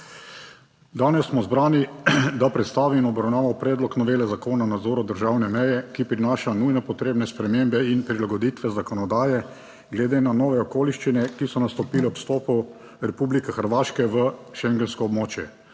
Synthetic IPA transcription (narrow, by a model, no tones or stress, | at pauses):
d̪aːnɛsːmɔzbɾaːnid̪apɾɛt̪st̪aːʋiːnɔbɾawnaːʋawpɾɛːd̪lɔknɔʋeːlɛzakoːnanad̪zoːɾɔd̪əɾʒawnɛmɛjɛkipɾinaːʃanujnɛpɔt̪ɾeːbnɛspɾɛmembɛinpɾilaɡɔd̪iːt̪ʋɛzakɔnɔd̪aːjɛ | ɡlɛd̪eːnanɔːʋɛɔkoːliʃt͡ʃinɛkisɔnast̪ɔpiːlɛɔpst̪ɔːpu | ɾɛpublikɛxəɾʋaːʃkɛʋəʃɛŋɡɛnskɔːbmoːt͡ʃjɛ